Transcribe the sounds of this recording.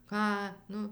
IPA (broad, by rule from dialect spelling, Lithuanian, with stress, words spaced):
ˈkɑː ˈnʊ